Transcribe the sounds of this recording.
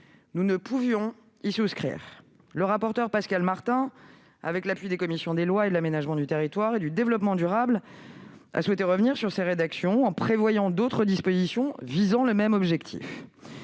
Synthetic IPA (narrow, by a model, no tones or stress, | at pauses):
nunəpuvjɔ̃ | isuskχḭːʁ | ləʁapɔʁt̪œʁpaskalmaʁt̪ɛ̃ | a̰vɛklapɥid̪ekɔmisjɔ̃d̪elwaed̪əlamenaʒmɑ̃d̪yt̪eʁit̪waʁed̪yd̪evlɔpmɑ̃d̪yʁabl | a̰swɛt̪eʁəvniʁsyʁseʁed̪aksjɔ̃ɑ̃pχevwajɑ̃d̪ot̪χəd̪ispozisjɔ̃vizɑ̃ləmɛmɔbʒɛkt̪ʰḭf